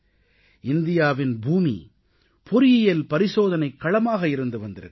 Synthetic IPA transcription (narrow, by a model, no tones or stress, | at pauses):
ɪnd̪ɪjaːʋɪnbʱuːmḭ | pʰɔɾɪjɪjɐlpɐɾɪsoːðɐnɐɪkːɐɭɐmaːɣɐɪɾɯnd̪ɯʋɐnd̪ɪɾɯ